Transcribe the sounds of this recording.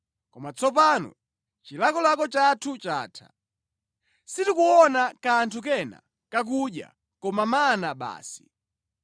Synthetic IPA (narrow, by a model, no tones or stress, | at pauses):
kɔmat͡sɔp̬anɔ̰ | t͡ʃilakɔlakɔt͡ʃatʰut͡ʃa̰ːtʰa̰ | sitikuɔnakantʰuk̬ɛna̰ | kak̬uɗja̰ | kɔmamaːnaɓa̰ːsi̥